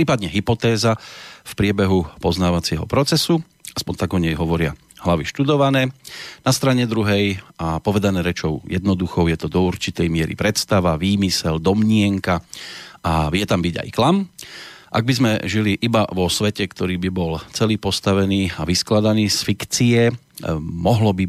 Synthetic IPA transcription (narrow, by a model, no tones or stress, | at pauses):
pɾiːpad̪ɲɛɦipɔt̪ɛːzafpɾɪɛbɛɦupɔznaːʋat͡sɪɛɦɔ̰pɾɔt͡sɛsu | aspɔnt̪aɡɔɲɛjɦɔʋɔɾɪa | ɦlaʋiʃt̪ud̪ɔʋanɛːnast̪ɾaɲɛd̪ɾuɦɛjapɔʋɛd̪anɛːɾɛt͡ʃɔʊjɛd̪nɔd̪uxɔʊjɛt̪ɔd̪ɔuɾt͡ʃit̪ɛjmɪɛɾḭpɾɛt̪st̪aʋaʋiːmisɛld̪ɔmɲɪɛŋkaʔaʋɪjɛt̪ambiɟa̰jklam | ʔaɡ̚bizmɛʒiliʔiba̰ʋɔsʋɛcɛkt̪ɔɾiːbibɔlt͡sɛliːpɔst̪aʋɛniːaʋisklad̪aniːsfikt͡siɛ | mɔɦlɔbi